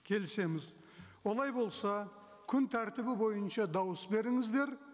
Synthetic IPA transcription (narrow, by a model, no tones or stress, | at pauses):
kʲʰe̞lɪse̞mɪz | wo̞lˠɑjbo̞lˠsɑ | kʲʰʏnt̪ʰæɾt̪ɪbɪbo̞jənʃɑd̪ɑwəsbe̞ɾɪŋɪzd̪e̞ɾ